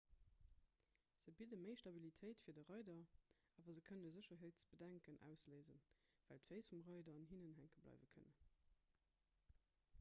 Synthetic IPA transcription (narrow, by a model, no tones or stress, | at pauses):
z̥əbidəməɪʃtɑbilitʰeɪtfiːɐdəʁɑɪdɐʔɑːvɐzəkʰənəzəɕɐɦeɪtt͡sb̥ədæŋkənʔæ̰ʊsleːzə̰nvæ̰ltfeɪsfumʁɑɪdɐɑnhinənɦæŋkəblɑ̰ɪvəkʰə̰nə